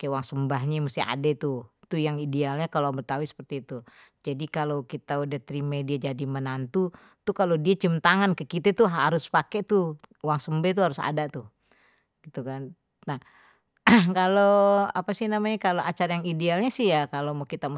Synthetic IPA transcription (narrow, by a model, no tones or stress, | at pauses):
kewaŋsəmbaɦɲamust̪ia̰det̪ut̪ujaŋidealɲakaloabət̪awisə̥pərt̪iːt̪u | d͡ʒadikalokit̪audaht̪ɾimediad͡ʒadimənant̪u | t̪ukalodiat͡ʃəmt̪aŋankəkit̪ət̪uɦaɾʊspaket̪uwaŋsəmbet̪̬uhaɾʊsa̰dat̪u | ɡit̪ukan | na | kaloapasɪhnamaɲakaloʔat͡ʃaɾajaŋidealɲasihjakalomukit̪am